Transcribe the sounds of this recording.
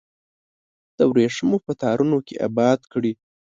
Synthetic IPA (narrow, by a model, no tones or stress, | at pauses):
d̪̥əwɾeʂmopət̪ɑɾunokḛʔa̰bɑd̪kɽi